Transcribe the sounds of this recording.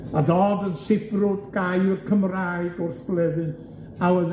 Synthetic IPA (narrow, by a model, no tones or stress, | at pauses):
adɔdənsɪbrʊdɡ̥ajɪrkʰəmrajɡʊrsb̥lˠɛðɨn | awəð